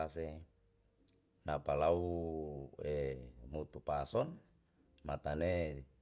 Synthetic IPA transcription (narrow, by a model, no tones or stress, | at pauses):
ase | napalau | emut̪upasɔn | mat̪ane